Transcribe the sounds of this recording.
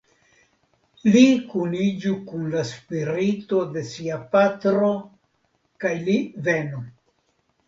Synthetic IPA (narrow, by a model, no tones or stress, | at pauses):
likunid͡ʒukunlaspiɾito̞de̞siapatɾo̞ | kajlive̞nu